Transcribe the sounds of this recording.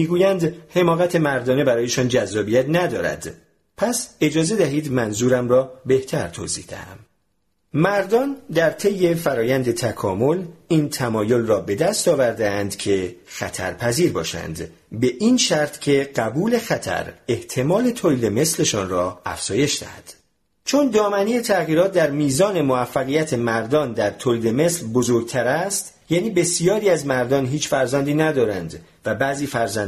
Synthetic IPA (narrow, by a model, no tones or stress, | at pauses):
miːɡuːjænd̪he̞mɒːɣæt̪ʰe̞mæɾd̪ɒːne̞bæɾɒːje̞ʃɒːnd͡ʒæzːɒːbijæt̪næd̪ɒːɾæ̰d̪̥ | pʰæse̞d͡ʒɒːze̞d̪æɦiːd̪mænzuːɾæmrɒːbe̞ht̪ʰæɾt̪ʰo̰zḭhd̪æ̰hæ̰m | mæɾd̪ɒnd̪æɾt̪ʰejːe̞fæɾɒːjænd̪e̞t̪ʰækʰɒːmo̞liːnt̪ʰæmɒːjo̞lrɒːbe̞d̪æst̪ɒːvæɾd̪eænd̪cʰe̞xæt̪ʰæ̰ɾpʰæziːɾbɒ̰ːʃæ̰nd̪ | be̞ʔinʃæɾt̪cʰe̞ɢæbuːle̞xæt̪ʰæ̰ɾe̞ht̪ʰe̞mɒːle̞t̪ʰoliːd̪e̞me̞sle̞ʃɒːnrɒːæ̰fz̥ɒːje̞ʃd̪æ̰hæ̰d̪̥ | t͡ʃʰo̞nd̪ɒːmæniːjet̪ʰæɣiːɾɒːt̪̚d̪æɾmiːzɒːne̞movæfːæɣijæt̪ʰe̞mæɾd̪ɒːnd̪æɾt̪ʰoːliːd̪e̞me̞slbozoɾɡ̚t̪ʰæɾæst̪ | jæːniːbe̞sijɒːɾiːæzmæɾd̪ɒːnɦiːt͡ʃfæɾzænd̪iːnæd̪ɒːɾænd̪ | væbæːziːfæɾzæn